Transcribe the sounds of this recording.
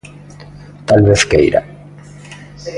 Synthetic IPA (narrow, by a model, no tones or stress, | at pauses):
t̪alβeθkḛjɾa̰